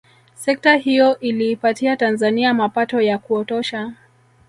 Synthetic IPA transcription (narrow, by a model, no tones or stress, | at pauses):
sɛk̚taɦijɔʔiliːpatiatanzaniamapatɔjakuɔtɔʃa